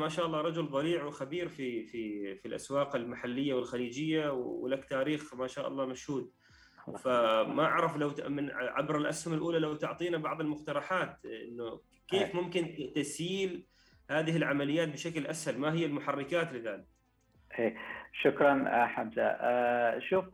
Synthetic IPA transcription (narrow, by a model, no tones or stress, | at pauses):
maːʃaːʔɑlˤːɑːɾˤɑd͡ʒʊlðˤɑliːʕwxabiːɾfififilʔa̰swɑːqɪlmaħalːɪjːawɪlxaliːd͡ʒɪjːawwlakt̪aːɾiːxmaʃaːʔɑ̰lˤːɑːmaʃhuːd̪̚ | famaʕɾˤɑflawmɪnʕa̰bɾɪlʔashʊmalʔuːlalawt̪ʊʕt̪ˤiːnabɑʕðˤɪlmʊxt̪ɑɾˤɑħaːt̪ʔɪ̰nːʊ | keːfmʊmkɪnt̪asjiːl | haːðɪhɪlʕamalɪjːaːt̪̚bɪʃaklʔashalmaɦɪjːalmʊħarˤːɪkaːt̪lɪðaːlɪk̚ | ʔeːʃʊkɾˤɑnħamza̰ | ʃuːf